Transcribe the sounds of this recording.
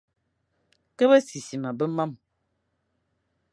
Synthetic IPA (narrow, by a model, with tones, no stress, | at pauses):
kə˦bə˦si˨si˨ma˨bə˦ma˦m